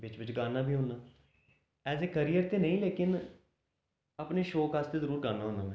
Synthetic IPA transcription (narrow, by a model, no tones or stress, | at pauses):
ʋɪt͡ʃʋɪt͡ʃɡaːnaːbʱiːɦʊːnaː | ɛːzeːkəɾiːjəɾt̪eːnəĩːleːkɪn | apneːʃoːkaːst̪eːzəɾuːɾɡaːnãːɦõːnaːmɛ̃